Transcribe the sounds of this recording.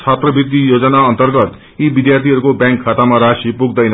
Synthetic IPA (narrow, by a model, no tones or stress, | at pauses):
t͡ʃʰat̪rʌbit̪ːijod͡zʌnaʌnt̪ʌrɡʌt̪ | ibid̪jart̪ʰiɦʌɾukobjãŋkʰːat̪amaɾasipuɡd̪ʌjnʌ